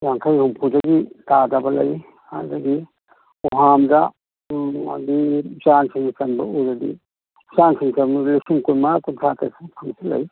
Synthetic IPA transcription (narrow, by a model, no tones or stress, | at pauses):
jaŋkʰajhumpʰud͡ʒaɡitadabɐlɐ̰j | adaɡi | uɦamda | a̰dizansiŋsɐnbɐuzadḭ | zansiŋsaluksiŋkujmakuntʰata̰skʰamsilɐ̰j